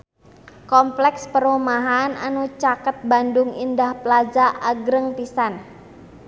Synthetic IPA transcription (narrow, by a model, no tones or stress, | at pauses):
kɔmplɛkspərumaɦana̰nut͡ʃakət̪̚bandʊŋindahpəlad͡ʒaʔaɡɾəŋpisan